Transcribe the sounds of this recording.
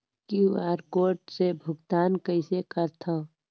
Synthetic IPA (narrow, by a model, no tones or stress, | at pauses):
kiuaːɾkoːɾʈsebʱʊɡt̪aːnkəɪsekəɾt̪ʰãː